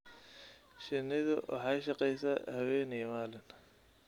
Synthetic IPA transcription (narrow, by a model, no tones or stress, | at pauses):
ʃɪnɪðʊwɑ̰ħɑːʃɑqɛjsɐhɐwɛːnijmaːlɪn